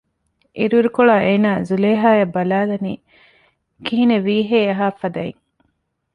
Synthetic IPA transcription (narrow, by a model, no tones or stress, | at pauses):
ʔiɾuɾukoɭaːʔeːnaːzuleːɦaːjɐbːɐlaːlɐniː | kiɦineʋiːɦeːɐɦaːfɐd̪ɐḭŋ